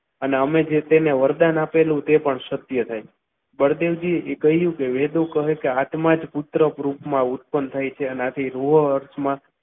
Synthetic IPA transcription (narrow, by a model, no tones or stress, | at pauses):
əneəmed͡ʒet̪eneʋəɾd̪anapelũt̪epəɳʃət̪jət̪ʰaj | bəɾd̪eʋd͡ʒiekəɦijũkeʋed̪õkəɦekeat̪mad͡ʒput̪ɾəpɾupmãut̪̚pənt̪ʰajt͡ʃʰeəneat̪ʰiɾoɦəəɾsmã